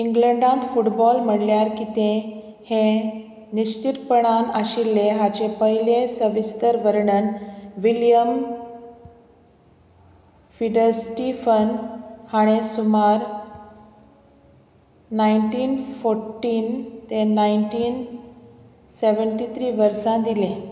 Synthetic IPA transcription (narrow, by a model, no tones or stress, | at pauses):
iŋɡləɳɖãnt̪fuʈbɔlm̤əɳljaɾkit̪ẽ | hẽ | niɕt͡ɕit̪pəɽ̃anaɕilːeɦat͡ɕepəɦilesəʋist̪əɾʋəɾɳənʋiljəm | fiɖəɾsʈifənhaɽ̃esumaɾ | naiɳʈiːnfoɾʈiːnt̪ẽnaiɳʈiːn | seʋəɳʈit̪ʰɾiːʋəɾsãd̪ilẽ